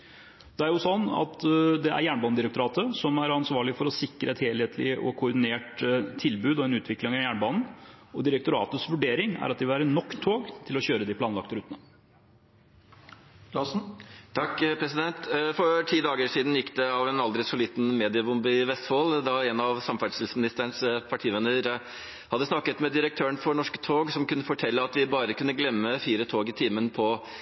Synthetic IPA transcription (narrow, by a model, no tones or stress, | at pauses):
d̪̥ɛæɾjʊsɔnːɑ̰t̪d̪ɛʔæ̰ɾjæːɳbɑːnəd̪ɪɾək̚t̪ʊɾɑːt̪əsɔmæɾɑnsʋɑːɭɪfɔɾɔsɪkːɾʔəɛt̪heːlheːt̪ʰlɪ̰ʔɔ̰kʰʊːɖ̪ɪneːʈt̪ʰɪlbʉːd̪ɔɛnʉːt̪ʰʋɪklɪŋɑjæːɳəbɑːnn̩ɔd̪ɪɾək̚t̪ʊɾɑ̰ːt̪əsʋʉɖeːɾɪŋæ̰ɾɑt̪̚d̪ɪʋɪæːɾənɔkːt̪ʰːoːɡt̪ʰɪlɔɕøːɾəd̪ɪpʰlɑːnlɑkt̪əɾʉːt̪ənə | ɑsn̩t̪ʰɑkːpʰɾɛsɪd̪ɛnt̪fɔɾʈʰiːd̪ɑːɡəʂiːd̪n̩jɪkːd̪ɛɑʋɛnɑld̪ɾɪsɔliːt̪nmeːd̪ɪəbʊmbɪɪʋɛst̪foːld̪ɑɛnɑʋsɑmfæʈʂt̪ɪlsmɪnɪst̪əɳspʰɑʈʰiːʋɛnəɾ | hɑd̪əsnɑkːət̪mɛd̪ɪɾək̚t̪ʰøːəɳfɔɳɔʂkə̥t̪ʰoːɡsɔmkʉnːəfɔʈʰɛlːəɑt̪ʋɪbɑːɾəkʉnːəɡlɛmːəfiːɾət̪ʰoːɡɪt̪ʰiːmənpʰɔ